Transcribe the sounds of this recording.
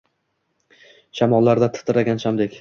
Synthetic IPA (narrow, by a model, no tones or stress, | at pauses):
ʃʰamɒlˠːaɾd̪at̪ʰɪ̥t̪ɪɾaɡʲanʃamd̪ekʲ